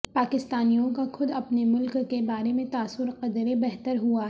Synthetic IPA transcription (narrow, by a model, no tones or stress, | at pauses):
paːkɪst̪aːnijõkaxʊd̪ɐpnemʊlkːebaːɾemẽt̪aːsʊɾqɐd̪ɾebɛɦt̪əɾɦua